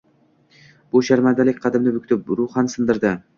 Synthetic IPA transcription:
b̥ʊʃaɾmand̪alɪk̚ʲqʰɑd̪ɪmnɪbʊkʲt̪ʰʊp̚ɾuχɑnsɨnd̪ɪɾd̪ɪ

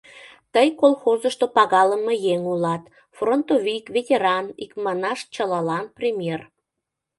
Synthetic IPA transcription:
t̪əjkolxozəʃt̪opɑɣɑləmejeŋulɑt̪ | front̪ovʲikvʲetʲeɾɑnikmɑnɑʃt͡ɕəlɑlɑnprʲimʲjer

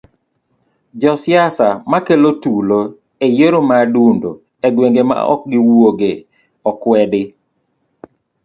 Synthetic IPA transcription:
d͡ʒɔsjasamakelotulo | ejeɾomadundo | ɛɡweŋɡema̰ɔ̰k̚ɡɪwoɡe | ɔkwɛdɪ

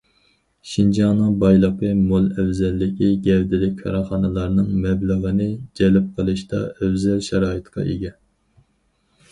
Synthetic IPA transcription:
ʃind͡ʒɑnɨŋbɑjlˠəqəmolˠɛwzɛlːɪkʲiɡʲɛvd̪ɪlɪk̚ʲkʰɑ̰ɾɑχɑnɨlˠɑɾnɨŋmɛbləʁənɨd͡ʒɛlɪp̚qʰəlˠɨʃt̪ɑ̰ɛvzɛlʃɛɾɑːɨt̪qʰɑ̰ʔeɡʲɛ

